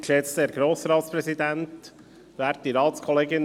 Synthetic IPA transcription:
kʃɛt͡st̪eɾɡɾoːsɾɑːt̪spɾɛsid̪ænt̪ | ʋæːɾt̚diɾɑːt̪skʰɔleːɡɪn

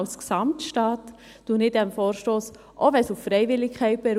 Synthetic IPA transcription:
lsksɑmtʃtaːt | d̥unɪdɛmfoːɾʃtoːs | ʔɔʋɛsuffɾɛjvɪlːɪkʰɛɪt̚b̥ɛɾ

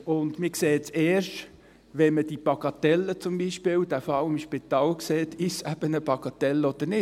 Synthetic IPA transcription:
ʊnd̪mɪːkseːt͡seːʃt | ʋɛməd̥ipɑkɑt̪ɛlːət͡sʊmbiʃpɪːwdæfɑwɪmʃpɪt̪ɑːlkseːt̪ʰɪsæb̥ənəpɑkɑt̪ɛlːəɔd̥̪əɾnɪ

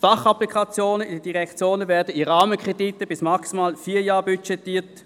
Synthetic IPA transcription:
fɑχaplikʰɑt͡sjoːnəidəd̥iʁɛkt͡sjoːnəvɛɐdəiʁɑːməkʁ̥ɛditːəb̥ɪsmaksimaːlfiːɐjɑːbyt͡ʃɛtːiːɐt

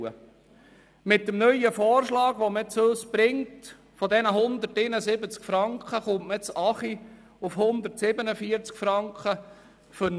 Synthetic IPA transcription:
ə̰ | mɪt̚dəmnœjəfɔːrʃlɑːɡ̥ʋomət͡søsb̥ɾɪŋt | fɔdɛnəɦʊnd̪ətɪnəsɪbət͡skfɾɑŋkχəχʊmtmət͡sɑχi | ufhʊnd̪ərtsɪbənəfiəɾt͡skfɾɑŋkχə | fʏn

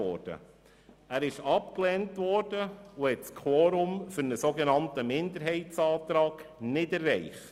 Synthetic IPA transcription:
ɔ̰ɾd̥ə̰ | æːɾɪʃɑp̚klɛːntvɔɾd̥əuhɛtskʰwɔːɾʊmfʏɾnəsoɡenɑntəmɪnd̪əɾɦɛɪtt͡sɑːt̪ɾɑːɡ̥nɪdɛrːɛɪχt

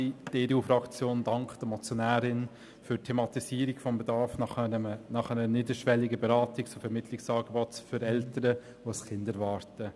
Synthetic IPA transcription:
id̥eːdeuːfɾɑkt͡sjoːndɑŋkχd̥əmɔt͡sjɔnæːɾɪn | fʏɾtʰemɑtisiːəɾɪkfɔmbedɑɾfnɑnɑχænəənɪdəɾʃʋɛlːɪɡəbeɾɑːtɪkt͡sofɛɾmɪtʰlɪksɑːɡebɔtføɾɛltəɾə | ʋoəskɪndɛɾvɑːɾtə

